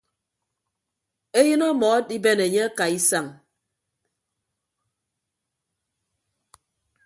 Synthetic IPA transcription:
e˦jɨ˦nɔ˦mɔ˨˦di˦be˦˨ne˨ɲe˦a˦ka˨i˦sa˦˨ŋ

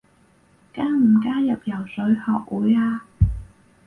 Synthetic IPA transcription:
kaː˥ŋm̩˨˩kaː˥jɐ˨p̚jɐ˨˩wsɵ˨˥ɥhɔː˨k̚wuː˨˥jaː˧

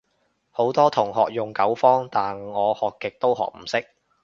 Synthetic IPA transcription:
ho˨˥wt̪ɔː˥t̪ʰʊ˨˩ŋɦɔː˨k̚jʊ˨ŋkɐ˨˥wfɔː˥ŋt̪aː˨nŋɔː˨˧hɔː˨kːɪ˨k̚t̪o˥wɦɔ̰ː˨k̚m̩˨˩sɪ˥k̚

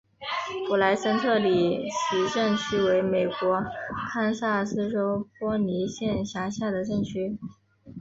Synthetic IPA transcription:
pu˨˩la˧˥ɪʂə˥nt̪ʰɤ˥˩li˨˩t͡ɕʰi˧˥ʈ͡ʂɤ˥˩ŋt͡ɕʰy˥we˧˥ɪme˨˩ɪkwɔ˧˥kʰa˥nsa˥˩sɹ̩˥ʈ͡ʂo˥ʊpwɔ˥ni˧˥ɕjɛ˥˩nɕja˧˥ɕja˥˩d̪ə˩ʈ͡ʂɤ˥˩ŋt͡ɕʰy˥

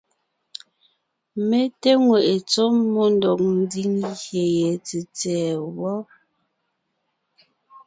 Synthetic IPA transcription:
me˦te˦ŋwe˨ʔe˨t͡so˦mːo˦n˦dɔ˨k̚n̩˦di˦ŋhje˨je˨t͡se˨t͡sɛː˨wɔ˦

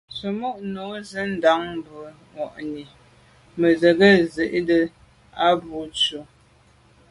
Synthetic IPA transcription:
sə˨mu˦ʔno˨˦zə˦n̩˦da˨˦ŋm˦bə˨ | ŋɔ˨ʔni˨ | mə˨zə˨ɡə˦zə˨ʔdə˨ | a˦bu˨˦t͡ʃu˨

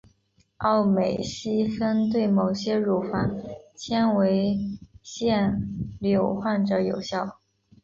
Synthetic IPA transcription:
ɑ˥˩ʊme˨˩ɪɕi˥fə˥nt̪̬we˥˩ɪmo˨˩ʊɕjɛ˥ɻu˧˩fa˨˧˩nt͡ɕʰjɛ˥nwe˧˥ɪɕjɛ˥˩nljo˨˩ʊxwa˥˩nʈ͡ʂɤ˧˥˦jo˨˩ʊɕjɑ˥˩ʊ

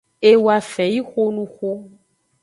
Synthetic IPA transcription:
e˦wa˨fɛ˨ji˦xo˦nũ˦xo˦

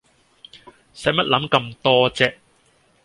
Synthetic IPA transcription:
sɐ˨˥mɐ˥t̚lɐ˨˥mkɐ˧mt̪ɔː˥t͡sɛː˧˥

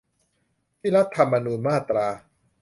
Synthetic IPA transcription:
pʰiː˦˥˩la˦˥t̪ʰːa˧mːa˧nuː˧nmaː˥˩t̪ɾaː˧

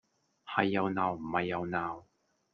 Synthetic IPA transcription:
hɐ˨jːɐ˨wnaː˨˩wm̩˨˩hɐ˨jːɐ˨˧wnaː˨˩w

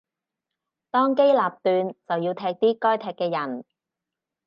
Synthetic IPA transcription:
t̪ɔː˥ŋke˥jlaː˨p̚t̪yː˧nt͡sɐ˨wjiː˧wt̪ʰɛː˧k̚t̪iː˥kɔː˥jt̪ʰɛː˧kːɛː˧jɐ˨˩n

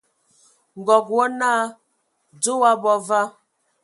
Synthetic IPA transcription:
ŋ˨ɡɔ˨kwɔ˦naː˦ | d͡zo˦wa˦bɔ˦va˦

